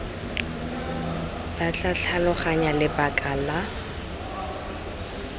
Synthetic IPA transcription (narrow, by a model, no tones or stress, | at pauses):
b̥at͡ɬaɬʰalɔχaɲalɪbakʼala